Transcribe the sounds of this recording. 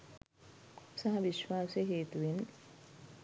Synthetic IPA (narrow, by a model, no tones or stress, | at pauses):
upsɐɦɐʋiʃʋaːseɦeːt̪uʋin